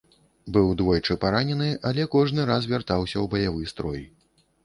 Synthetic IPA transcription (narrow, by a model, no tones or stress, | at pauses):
bɨwd̪vɔjt͡ʂɨpaɾanʲɛnɨʔalʲɛkɔʐnɨɾazvʲart̪awsʲɐwbɐjavɨst̪ɾɔj